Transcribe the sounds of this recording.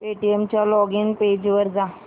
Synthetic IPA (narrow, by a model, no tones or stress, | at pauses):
peʈiemt͡ɕjalɔɡinped͡ʑʋəɾd͡za